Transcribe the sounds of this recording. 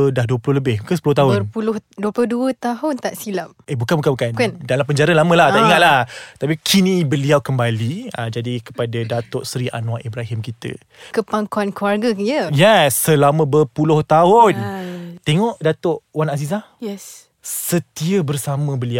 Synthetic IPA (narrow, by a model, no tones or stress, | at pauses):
dahduəpulʊhləbɪhbukəsəpulʊht̪aɦʊpulʊhduəpulʊduət̪aɦʊnt̪aʔsilap̚ebukanbukanbukankndalampəɲd͡ʒaɾalamə̃lat̪aʔiŋaʔ̪lahət̪apikʰinĩbəliawkəmbaliad͡ʒadikə̥padadat̪ɔʔsɾiʔa̰nũwaʔibɾaɦɪmkit̪ə̰ | kəpaŋkuankuarɡəjəjɛsːəlamə̃bərpulʊht̪aʊnt̪eŋɔʔdat̪ɔʔwanazis̬ahjɛs | sət̪iəbərsamə̃bəlia